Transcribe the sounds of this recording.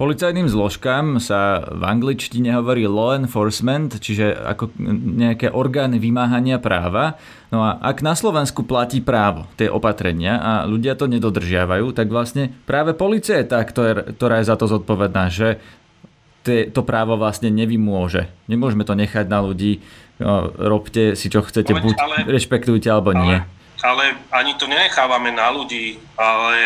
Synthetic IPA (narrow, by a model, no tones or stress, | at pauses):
pɔlit͡sajniːmzlɔʃkaːmsava̰ŋɡlit͡ʃciɲɛɦɔʋɔɾiːlɔɛnfɔɾsmɛnt̪t͡ʃiʒɛa̰kɔɲɛakɛːʔɔɾɡaːniʋimaːɦaɲɪapɾa̰ːʋa | nɔaʔa̰ɡnaslɔʋɛnskuplaciːpɾaːʋɔt̪ɪɛʔɔpat̪ɾɛɲɪaʔa̰ʎuɟɪat̪ɔɲɛd̪ɔd̪r̩ʒɪaʋajuːt̪aɡʋlasɲɛpɾaːʋɛpɔliːt͡siajɛt̪akt̪ɔkt̪ɔɾaːjɛzat̪ɔzɔt̪̚pɔʋɛd̪naːʒɛ | t̪ɛt̪ɔpɾaːʋɔʋlasɲɛɲɛʋimʊɔʒɛ̰ɲɛmʊɔʒmɛt̪ɔɲɛxaɟnaluɟiː | ɾɔpcɛsit͡ʃɔxt͡sɛcɛbucɾɛʃpɛkt̪ujcɛalɛbɔɲɪɛ | alɛaɲit̪ɔɲɛɲɛxaːʋamɛnaluɟiː | alɛ